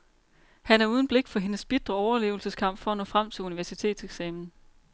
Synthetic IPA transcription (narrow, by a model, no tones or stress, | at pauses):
hænæɐuːð̞ˠn̩b̥leɡ̥fɒ̽ɦe̝nəsb̥id̥ʁɐɒʊɐle̝̰ːʊl̩səskʰɑ̈m̰b̥fɒ̽ænɔ̰̽ːfʁam̰t͡sʰe̝luniʋæɐsit͡sʰe̝̰ːd̥seɡ̥sɛ̰ːmn̩